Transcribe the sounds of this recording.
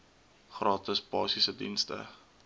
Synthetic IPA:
χrɑːtəspɑ̰ːsisədḭnstə̰

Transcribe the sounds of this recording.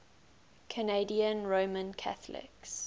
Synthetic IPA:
kʰəneɪdiə̃nɹoːmə̃nkʰa̰θəlɪ̰ks

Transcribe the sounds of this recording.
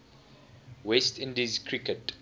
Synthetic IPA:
wɛstɪ̃ndizkʰɹikət

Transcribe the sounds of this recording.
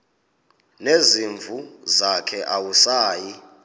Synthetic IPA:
neziɱvʱuzakʰɛʔawusaːji

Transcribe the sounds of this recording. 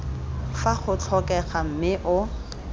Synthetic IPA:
faχʊt͡ɬʰɔkɛχam̩mɪʔʊ

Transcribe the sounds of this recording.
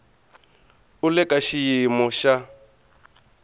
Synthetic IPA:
ulɛkʼaʃijimɔʃa

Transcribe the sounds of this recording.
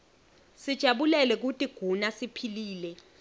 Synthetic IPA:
sid̥ʒ̥ʱaɓulɛlɛk̬utʼiɡ̥ʱunasipʰiliːlɛ

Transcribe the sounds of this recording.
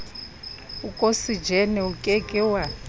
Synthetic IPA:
ukʼosid͡ʒʱɛnɛukʼɛkʼɛwa

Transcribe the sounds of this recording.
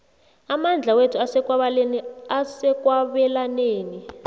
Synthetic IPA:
amand͡ɮʱawetʰuasɛk̬waβaleniasɛk̬ʼwaβɛlaneːni

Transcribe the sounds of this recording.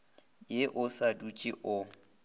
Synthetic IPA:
jeʔʊsadut͡ʃʼiʔʊ

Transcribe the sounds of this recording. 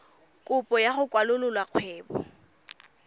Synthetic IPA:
kʼʊpʼɔjaχʊkʼwalʊlʊlwaq͡χʰwɛːbɔ̰

